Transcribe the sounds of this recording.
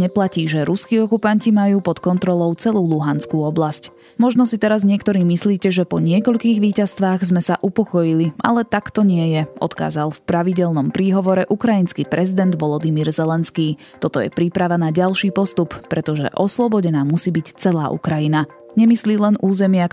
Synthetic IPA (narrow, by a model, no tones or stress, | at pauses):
ɲɛplaciːʒɛɾuskiːɔkupancimajuːpɔt̪kɔnt̪ɾɔlɔʊt͡sɛluːluɦanskuːɔblasc | mɔʒnɔsit̪ɛɾazɲɪɛkt̪ɔɾiːmisliːcɛʒɛpɔɲɪɛkɔʎkiːɣʋiːcast̪ʋaːɣzmɛsaʔupɔkɔjilia̰lɛt̪akt̪ɔɲɪɛjɛʔɔ̰t̪ka̰ːzalfpɾaʋiɟɛlnɔmpɾiːɦɔʋɔɾɛʔukɾajinskiːpɾɛzid̪ɛnd̪ʋɔlɔd̪imiːɾzɛlɛnskiː | t̪ɔt̪ɔjɛ̰pɾiːpɾaʋanaɟalʃiːpɔst̪uppːɾɛt̪ɔʒɛ̰ʔɔslɔbɔɟɛnaːmusiːbict͡sɛlaːʔṵkɾajina | ɲɛmisliːlɛnʔuːzɛmɪa